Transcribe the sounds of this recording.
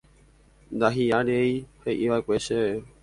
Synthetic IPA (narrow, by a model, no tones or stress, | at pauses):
nd̪aɦiaɾe̞ihe̞ʔiʋaekʷe̞ʃee